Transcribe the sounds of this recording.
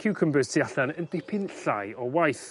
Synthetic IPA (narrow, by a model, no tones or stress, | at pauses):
kʰɪwkʰəmbəstʰiaɬanənd̥epʰɪnɬa̰jɔwajθ